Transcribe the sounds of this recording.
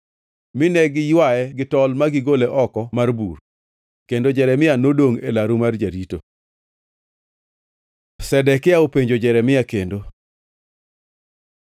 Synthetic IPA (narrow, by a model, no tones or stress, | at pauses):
mɪnɛɡɪjwaɛɡɪtɔlmaɡɪɡoleʔɔkɔmarbur | kendod͡ʒɛɾɛmɪjanodoŋḛlaɾumard͡ʒaɾito | sɛdɛkɪaopeɲd͡ʒod͡ʒɛɾɛmɪjakendo